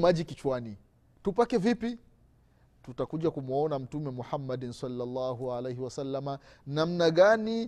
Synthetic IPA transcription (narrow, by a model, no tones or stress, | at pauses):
maʄikit͡ʃwani | tupakɛvipi | tutakuʄakumɔnam̩tumɛmuħamːaɗnsalːalːaːɦuʕalejhiwasalːamanam̩naɠani